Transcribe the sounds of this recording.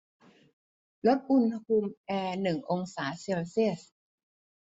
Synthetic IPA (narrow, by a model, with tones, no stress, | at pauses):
lo˦˥t̪̚ʔu˧nhu˧mʔɛː˧nɯ˨˩ŋʔo˧ŋsaː˩˦se˧wsi˥˩əs